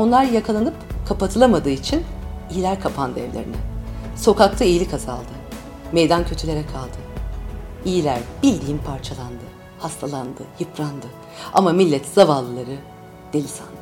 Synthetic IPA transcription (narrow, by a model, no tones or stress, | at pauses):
o̞nlˠaɾjakʰalˠanɯpkʰapat̪ʰɯlˠamad̪ɯːit͡ʃʰinijilʲæɾkʰapʰand̪ɛ̰vlʲeɾḭnɛso̞kakt̪ʰˠaijilʲikʰaza̰lˠd̪ɯ | mejd̪ancʰøt̪ʰylʲe̞ɾɛkʰalˠd̪ɯ | ijilʲæɾbilʲd̪ijimpʰaɾt͡ʃʰalˠand̪ɯ | hast̪ʰalˠand̪ɯjɯpʰɾand̪ɯ | a̰mamilʲːɛt̪z̥avalˠːɯlˠaɾɯ | d̪̥elʲisa̰n